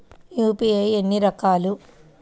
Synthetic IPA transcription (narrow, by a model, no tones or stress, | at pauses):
juːpiejenːiɾɐkaːlu